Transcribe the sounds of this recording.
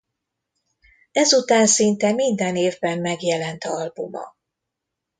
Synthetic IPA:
ɛzut̪aːnsint̪ɛmind̪ɛneːvbɛmːɛɡjɛlɛnt̪ɒlbumɒ̰

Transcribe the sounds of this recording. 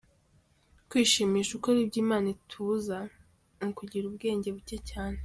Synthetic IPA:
kwiːʃiːmiːʃukoɾib̚ɟiːmaːnitʰuza | nikuɟiɾubɡe̞ːɲɟe̞βucecaːne

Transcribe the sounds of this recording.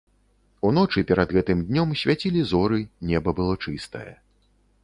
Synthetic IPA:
un̪ɔt͡ʂɨpʲɛɾɐd̪ɣɛt̪ɨmd̪ʲnʲɔmsʲvʲat͡sʲilʲizɔɾɨnʲɛbɐbɨlˠɔt͡ʂɨst̪ɐ̰jɐ̰

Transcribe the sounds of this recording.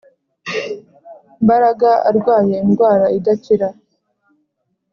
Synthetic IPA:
mbaɾaɡaa̰ɾɡwaːje̞inɡwaːɾaidaciɾa

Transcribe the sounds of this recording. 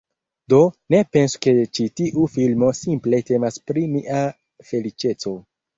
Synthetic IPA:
do̞ne̞pe̞nsu̥ke̞t͡ʃitiʔufilmo̞simple̞te̞maspɾiniʔa | fe̞lit͡ʃe̞t͡so̞

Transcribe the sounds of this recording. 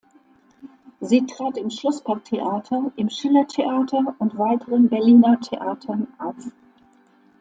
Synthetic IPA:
ziːtʁ̥aːtɪmʃlɔspʰak̚tʰeʔaːtʰɐʔɪmʃɪlɐtʰeʔaːtʰɐʊntv̥aɪtʰəʁənbɛɐliːnɐtʰeʔaːtʰɐnʔap

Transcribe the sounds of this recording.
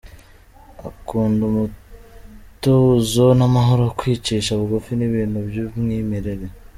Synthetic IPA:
akuːndumu | toːzo̞namaɦo̞ɾokwiːt͡ʃiːʃaβuɡufiniβiːnhubjumŋiːmeɾe̞ɾe̞

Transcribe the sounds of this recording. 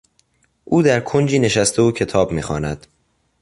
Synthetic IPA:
ʔuːd̪æɾkʰond͡ʒiːne̞ʃæst̪euːcʰe̞t̪ʰɒːbmiːxɒ̰ːnæd̪̥

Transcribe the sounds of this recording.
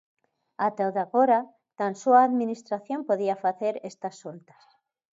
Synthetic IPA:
at̪awðaɣoɾa | t̪ansuaːðmĩnist̪ɾaθjompoðiafaθeɾest̪asːolt̪ḁs

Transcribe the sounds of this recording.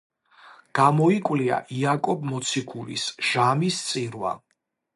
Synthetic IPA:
ɡ̥amɔikʼwlia̰ʔiakʼɔbmɔt̪sʰikʰuɾḭsʒ̥amist̪sʼiɾwa̰

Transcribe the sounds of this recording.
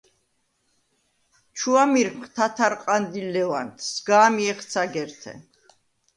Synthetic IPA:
t͡ʃʰuamiɾmχt̪ʰat̪ʰaɾqʼand̪ilɛwant̪ʰsɡaːmiɛχt̪sʰaɡɛɾt̪ʰɛ̰

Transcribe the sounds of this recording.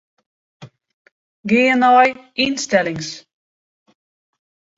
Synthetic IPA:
ɡeɛnɑjinst̪ɛlɪŋs

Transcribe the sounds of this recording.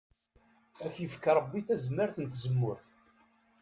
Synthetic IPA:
æfjəfkəɾˤəbːiθæzəmːəɾθənt̪zəmːʊɾθ

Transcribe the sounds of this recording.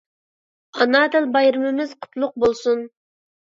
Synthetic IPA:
ɑnɑd̪ɨlbɑjɾɨmɪmɪzqʰʊ̥t̪ʰlˠʊq̚bolˠsun

